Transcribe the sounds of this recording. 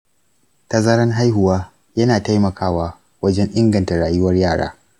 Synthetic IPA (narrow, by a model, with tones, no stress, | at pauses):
ta˨zɐ˦ɾɐ˦nɦa˦jɦʊ˨waː˦ | jɐ˦naː˨ta˦jmɐ˨kʰaː˦waː˦ | wɐ˦d͡ʒɛ˦ɲʔɪ˦ŋɡɐ˨nta˨ɽaː˨jʊ˦wɐ˦rjaː˦˨ɽa̰ː˦